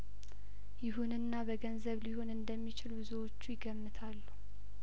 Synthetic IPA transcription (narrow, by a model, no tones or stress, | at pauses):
jɪɦunɨnːabəɡənzəβliho̞nɨnd̪əmːit͡ʃɪlbɨzuwo̞t͡ʃːujɪɡəmːɨt̪ʰalːu